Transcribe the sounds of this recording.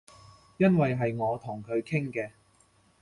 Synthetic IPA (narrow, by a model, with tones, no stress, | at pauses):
jɐ˥nwɐ˨jɦɐ˨jŋɔː˨˧t̪ʰʊ˨˩ŋkʰɵ˨˧ɥkʰɪ˥ŋkɛː˧